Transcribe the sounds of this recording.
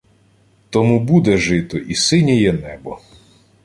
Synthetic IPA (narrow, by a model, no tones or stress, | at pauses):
t̪ɔmubud̪ɛʒɪt̪ɔʔisɪnʲɛjɛnɛbɔ